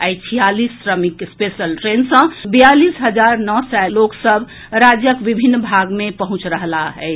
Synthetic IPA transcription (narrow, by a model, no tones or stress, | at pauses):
ajt͡ʃʰijalisːɾəmikspesəlʈɾensə̃bijalisɦəd͡ʒaɾnɔsɛloksəb | ɾad͡ʒjəkʋibʱinːbʱaɡmepəɦũt͡ʃɾəɦlaɦɛ